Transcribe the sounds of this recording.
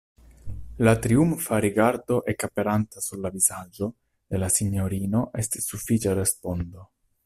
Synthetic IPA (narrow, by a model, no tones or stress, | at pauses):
latɾiumfaɾiɡaɾdo̞ʔe̞kapeɾantasuɾlavizad͡ʒo̞ | d̪̥e̞lasiɲo̞ɾino̞ʔe̞sti̥sːufit͡ʃaɾe̞spo̞ndo̞